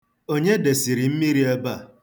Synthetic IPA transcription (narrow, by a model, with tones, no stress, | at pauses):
o˦ɲe˦de˨si˨ɾi˨m̩˦mi˦ɾi˦e˦ba˦˨